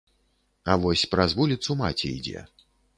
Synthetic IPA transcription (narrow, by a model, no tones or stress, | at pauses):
avɔsʲpɾazvulʲit̪suma̰t͡sʲɛ̰ḭd͡zʲɛ̰